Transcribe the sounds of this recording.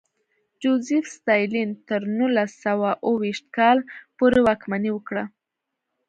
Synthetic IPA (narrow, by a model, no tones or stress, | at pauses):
d͡ʒozifst̪ɑjlint̪əɾnulasawaʔəwiʃt̪̚kɑlpoɾewɑkmaniwəkɽa